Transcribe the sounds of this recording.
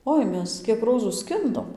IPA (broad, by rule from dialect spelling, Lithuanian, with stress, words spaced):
ˈoːɪ ˈmʲɛs ˈkʲiɛk ˈroːzuː ˈsʲkʲɪndoːm